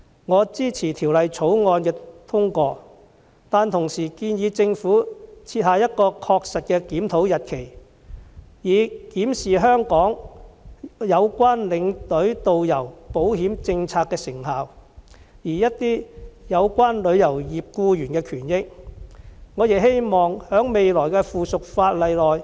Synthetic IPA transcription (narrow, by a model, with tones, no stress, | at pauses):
ŋɔː˨˧t͡siː˥t͡sʰiː˨˩t̪ʰi˨˩wlɐ˨jt͡sʰo˨˥wŋɔː˧nkɛː˧t̪ʰʊ˥ŋkʷɔː˧ | t̪aː˨nt̪ʰʊ˨˩ŋsiː˨˩kiː˧njiː˨˧t͡sɪ˧ŋfuː˨˥t͡sʰiː˧t̚haː˧jɐ˥t̚kɔː˧kʰɔː˧k̚sɐ˨t̚kɛ˧kiː˨˥mt̪ʰo˨˥wjɐ˨t̚kʰe˨˩j | jiː˨˩kiː˨˥msiː˨˩ɦœː˥ŋkɔː˨˥ŋ | jɐ˨˧wkʷwaː˥nlɪ˨˧ŋt̪ɵ˨˥ɥt̪o˨wjɐ˨˩wpo˨˥whiː˨˥mt͡sɪ˧ŋt͡sʰaː˧k̚ːɛː˧sɪ˨˩ŋhaː˨w | jiː˨˩jɐ˥t̚t̪iː˥jɐ˨˧wkʷaː˥nlɵ˨˧ɥjɐ˨˩wjiː˨p̚kuː˧jyː˨˩nkɛː˧kʰyː˨˩njɪ˥k̚ | ŋɔː˨˧ji˨˩ɦe˥jmɔː˨ŋhœː˨˥ŋme˨jlɔː˨˩jkɛː˧fuː˨sʊ˨k̚faː˧t̚lɐ˨˧jlɔː˨˩j